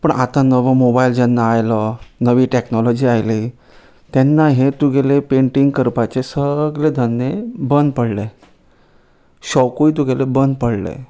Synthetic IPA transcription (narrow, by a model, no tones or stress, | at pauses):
pəɳʔat̪anəʋəmobaild͡ʑɛnːaːjlənəʋiːʈeknɔlɔd͡ʑiːajliː | t̪ɛnːaɦet̪uɡelepeɳʈiŋɡkəɾpat͡sesəɡled̪ʱənːjebənd̪pəɽle | ɕɔwkuit̪̬uɡelebənd̪pəɽlḛ